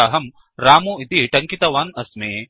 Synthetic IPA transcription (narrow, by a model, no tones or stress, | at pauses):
ɐɦɐm | ɾaːmuit̪iʈɐŋkit̪ɐʋaːnɐsmeː